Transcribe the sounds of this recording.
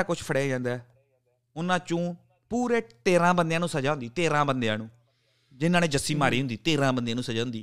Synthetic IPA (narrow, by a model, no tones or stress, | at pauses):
aːkʊt͡ʃʰpʰəɽeːd͡ʒãːnd̪ɛː | ʊnãːt͡ʃũː | puːɾeːt̪eːɾãːbənd̪eãːnũːsəd͡ʒaːɦʊnd̪iːt̪eːɾãːbənd̪eãːnũː | d͡ʒɪnːãːnẽːd͡ʒəsːiːmaːɾiːɦʊnd̪iːt̪eːɾãːbənd̪eãːnũːsəd͡ʒaːʊ̃nd̪iː